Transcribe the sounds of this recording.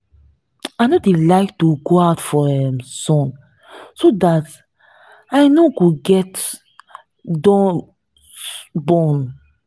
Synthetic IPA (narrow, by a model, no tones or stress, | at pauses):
ajnodelaɪk̚tuɡoaʊtfɔɛmsɔ̃n | sodat | ajnokuɡɛt | dɔ̃ | bɔ̃n